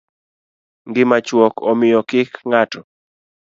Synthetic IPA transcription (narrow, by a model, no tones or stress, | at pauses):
ŋɡɪmat͡ʃwɔkɔmɪjɔkɪkŋatɔ